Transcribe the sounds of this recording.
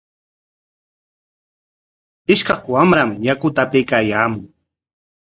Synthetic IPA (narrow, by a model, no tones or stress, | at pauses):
ɪʃkɑχwamɾamjakʊt̪apɪkaːjaːmʊŋ